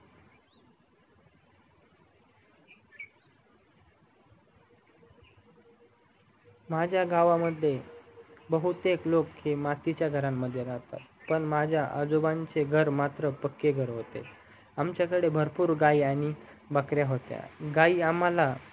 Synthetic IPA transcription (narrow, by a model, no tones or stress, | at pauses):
mad͡ʑʱjaɡaʋaməd̪ʱje | bəɦut̪eklokhemat̪it͡ɕjaɡʱəɾamːəd̪ʱːjed͡zaɦt̪a̰t̪pəɳmad͡ʑʱjaʔə̰d͡zobaɲt͡seɡʱəɾmat̪ɾəpəkːeɡʱəɾɦot̪ḛ | amt͡ɕjakəɽebʱəɾpuːɾɡaiaɽ̃i | bakɾjaɦot̪ja̰ɡaiamala